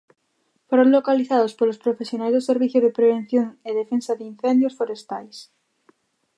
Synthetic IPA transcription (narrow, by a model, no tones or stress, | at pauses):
foɾoŋlokaliθaðospolospɾofesjonajzðoseɾβiθjʊzðepɾeβen̟θjoŋeðefensaðin̟θɛnd̪josfoɾest̪ajs